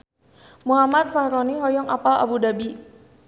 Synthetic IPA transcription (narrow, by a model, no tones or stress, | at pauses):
muɦamat̪̚fahɾɔniɦɔjɔŋʔapala̰budabi